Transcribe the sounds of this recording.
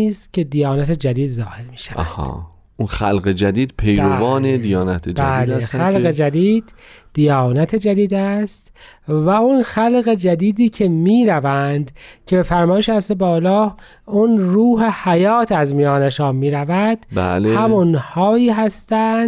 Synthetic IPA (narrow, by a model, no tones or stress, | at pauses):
iːst̪cʰe̞d̪ijɑːnæt̪ʰed͡ʒæd̪iːd̪zɒːhe̞ɾmiːʃæv̰æhɒ̰ | unxæ̰lɣed͡ʒæd̪iːd̪̥pʰejɾovɒːned̪ijɒːnæt̪ʰed͡ʒbææːlexælɣed͡ʒæd̪iːd̪̥ːijɒːnæt̪ʰed͡ʒæd̪iːd̪æst̪ | væunxælɣe̞d͡ʒæd̪iːd̪iːcʰe̞miːɾævænd̪cʰe̞befæɾmɒːjeʃæst̪ebɒːlɒː | unruːɦehæjɒːt̪ʰæzmijɒːneʃɒːnmiːɾævæd̪̥bæ̰lhæmunhɒːiːɦæst̪ænd̪